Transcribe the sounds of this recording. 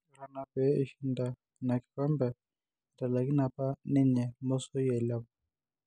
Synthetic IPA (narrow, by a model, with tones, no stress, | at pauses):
ɾa˨na˨pɛ˨˦i˨ʃi˦nda˨ | na˨ki̥˨ka˦mbɛ˨ | ta˨la˨ki˦na˨pa˦nɛ˦ɲɛ˨mo˦so˦jɛ˨la˦bɔ˨